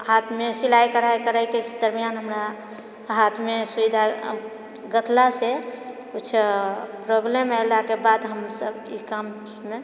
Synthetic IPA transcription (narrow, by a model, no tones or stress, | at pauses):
hat̪ʰmesilajkəɾ̤ajkəɾajkesed̪əɾmijanɦəmɾa | ɦat̪ʰmesubid̪ʱa | ɡət̪lasekut͡ʃʰpɾoblemajlakebad̪ɦəmsəbḭkam | me